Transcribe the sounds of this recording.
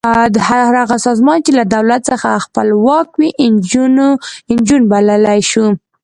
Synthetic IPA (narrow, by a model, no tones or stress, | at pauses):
d̪haɾaɣasɑzmɑnt͡ʃelad̪awlat̪səxaxpəlwɑkwiʔd͡ʒnɪnd͡ʒunbaləlajʃu